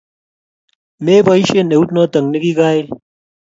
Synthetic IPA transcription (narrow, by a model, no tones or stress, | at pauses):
meːbɐiɕeneut̪noːt̪ɐŋɡniɡiɡaːil